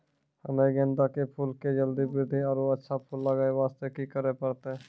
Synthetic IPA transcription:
hənəiɡẽːnd̪akepʰuːlked͡ʒəld̪ibɾɪɾd̪ʱiɔːɾʋoətːʃʰapʰuːlːəɡaːeʋaːst̪ekikəɾepɐɾt̪eɛ

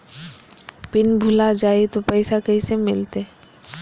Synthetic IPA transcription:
pɪnbʱʊlad͡ʒaːet̪opɛɪsakɐɦisemɪlt̪e

